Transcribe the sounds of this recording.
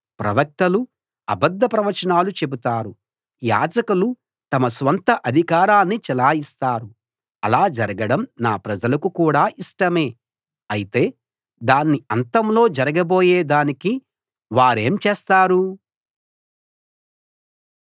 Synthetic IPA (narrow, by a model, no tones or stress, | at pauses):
pɾɐ̰ʋɐk̚t̪ɐlu | ɐ̰bɐd̪ːɐpɾɐʋɐt͡ʃɐnaːlut͡ʃe̞but̪aːɾu | ja̰ːd͡ʒɐkulu | t̪ɐmɐsʋɐnt̪ɐʔɐd̪ʱikaːɾaːnːit͡ʃɛlaːjist̪aːɾu | ɐ̰laːd͡ʒɐɾɐɡɐɽɐmnaːpɾɐd͡ʒɐlɐkukuːɽaːʔiʂʈɐme̞ː | ɐjit̪e̞ː | d̪aːnːiɐnt̪ɐmlo̞ːd͡ʒɐɾɐɡɐbo̞ːjeːd̪aːniki | ʋaːɾe̞ːmt͡ʃeːst̪aːɾu